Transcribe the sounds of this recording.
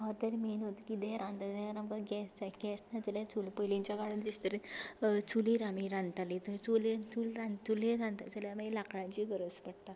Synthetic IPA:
ɦat̪əɾmenot̪kid̪ẽɾãnt̪ad͡zaaɾamkaɡɛsaɡɛsnat͡səlat͡sulpəjliɲt͡ɕjakaɽund͡ʑist̪əɾet͡suliɾamiɾãnt̪alit̪əɾt͡sulet͡sulɾãnulẽɾãnt̪ad͡zəljamailakɽãɲt͡ɕiɡəɾəspəɽt̪a

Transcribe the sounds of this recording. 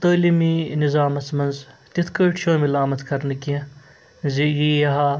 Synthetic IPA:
t̪ɐːliːmiːnizaːmɐt͡smɐnzt̪it̪ʰkəːʈʃʰõːmilaːmɐt̪kɐɾnɐkiɐ̃ | zijijɐɦa

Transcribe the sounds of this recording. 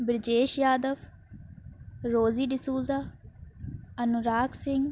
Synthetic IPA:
bɾɪd͡ʒeːʃjaːd̪əfʰ | ɾoːziːɖɪsuːzaː | ɐnʊɾaːksɪŋɡ

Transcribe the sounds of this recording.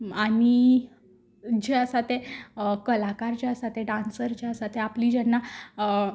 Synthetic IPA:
ani | d͡ʑeəsat̪ekəlakaɾt͡ɕeəsat̪eɖãnsəɾt͡ɕeəsat̪eapliːd͡ʑɛnːa

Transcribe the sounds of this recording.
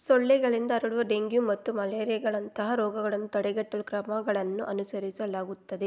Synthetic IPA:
sɔɭːɛɡɐɭind̪ɐːɾɐɽuʋɐɖeŋɡjumɐt̪ːumɐleːɾɛɡɐɭɐnt̪ɐɦɐɾɔːɡɐɡɐɭɐnːut̪ɐɽɛɡɐʈːɐlukɾɐmɐɡɐɭɐnːuʔɐnusɐɾisɐlaːɡut̪ːɐd̪e̞

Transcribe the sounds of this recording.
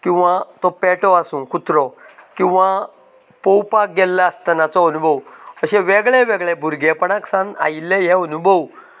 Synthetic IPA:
kĩw̃ʋãt̪ɔpɛʈɔasũkut̪ɾɔkĩw̃ʋã | powpak̚ɡɛlːaəst̪ənat͡sɔonubʱəwəɕẽʋɛɡɭɛʋɛɡɭɛbʱuɾɡepəɳaksãna̰ilːejɛonubʱəw

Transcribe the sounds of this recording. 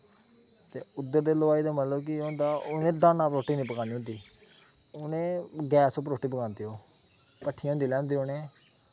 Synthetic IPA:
t̪eːʊd̪ːəɾd̪eːləʋaːiːd̪aːmət̪ləbkɪõːnd̪aːʊnẽːɖãːnaːpɾoːʈiːnĩːpəkãːniːɦʊ̃ːnd̪iː | ʊnẽːɡɛːsopəɾoːʈːiːpəkãːnd̪iːoː | pəʈʰːij̃ɦʊ̃ːnd̪iːlɛ̃ːnd̪iːonẽː

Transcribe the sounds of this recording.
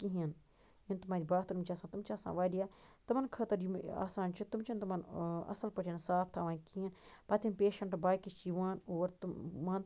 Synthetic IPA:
kiɦiɐn | jint̪umaːɾibaːt̪ɐɾumt͡ʃʰaːsãːt̪umt͡ʃaːsa̰ːʋaːɾijaːt̪ɐmɐnkʰɐt̪ɐɾjima̰ːsaːnt͡ʃʰit̪umt͡ʃʰint̪umɐnɐ̰sɐlpɐʈʰijɐnsaːpʰt̪ʰaːʋaːnkiɐnpɐt̪ʰʲimpeːʃɐɳʈbaːkit͡ʃiʋaːnoːɾt̪mɐn

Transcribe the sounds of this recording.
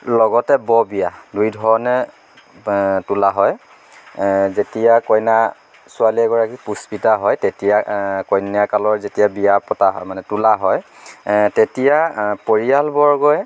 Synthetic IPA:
lɔɡɔtɛbɔbijadujdʱɔɹɔnɛ | tulaɦɔj | zetijakɔjna | sʊaliɛɡɔɹakipuspitaɦɔjtetijakɔjnijakalɔɹzetijabijapɔtaɦɔ̰jmanɛtulaɦɔj | tetijapoɹijalbɔɹɡɔj

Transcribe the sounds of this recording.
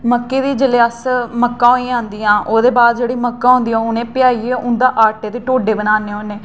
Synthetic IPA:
məkːeːd̪iːd͡ʒəljaːsməkːãːɦoːĩːãːnd̪iːãːʔoːd̪eːbaːd̪̚d͡ʒeːɽiːməkːãːɦʊ̃nd̪iːãːʊnẽːpɪjaːiːɛːʔʊnd̪aːʔaːɾʈeːt̪eːʈoːɖeːbənaːneːɦoneː

